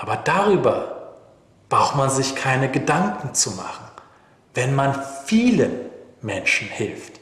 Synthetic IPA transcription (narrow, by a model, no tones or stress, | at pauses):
ʔaːbɐdaʁyːbɐ | b̥ʁaʊxtmanzɪçkʰaɪnəɡədaŋkŋ̩t͡suma̰χn̩ | vɛnmanfiːləmɛnʃn̩hɪlft